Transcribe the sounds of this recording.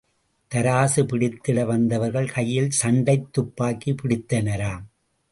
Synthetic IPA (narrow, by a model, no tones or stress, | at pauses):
t̪ɐɾaːsɯpɪɽɪt̪ːɪɽɐʋɐnd̪ɐʋɐɾɣɐɭkɐjːɪlsɐɳɖɐɪt̪ːʊpːaːkːipɪɽɪt̪ːɐnɐɾaːm